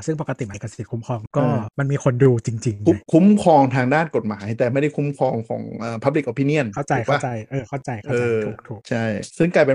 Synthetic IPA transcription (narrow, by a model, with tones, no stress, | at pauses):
sɯ˥˩ŋpa˨˩ka˧t̪i˨˩ma˨˦jka˧˩sḁ˧i˨˩kʰu˦mkʰɔː˧ŋkɔː˥˩ma˧nmiː˧kʰo˧nduː˧t͡ɕi˧ŋt͡ɕi˧ŋ˦kʰu˦˥mkʰɔː˧ŋt̪ʰaː˧ŋdaː˥˩nko˨˩t̪̚maː˩˦jt̪ɛː˨˩ma˥˩jda˥˩jkʰu˧˦˥mkʰɔː˧ŋkʰɔ̰ː˩˦ŋʔɤː˨˩pʰa˦p̚li˨˩kʔa˧pʰi˧˥ni˥˩ənkʰa˥˩wt͡ɕa˧jkʰa˧˩t͡ɕa˧jʔɤː˧kʰa˥˩wt͡ɕa˧jkʰɤ˩aː˧uː˨˩tʰuː˨˩t͡ɕʰa˥˩jsɯ˥˩ŋklaː˧˩jpe˧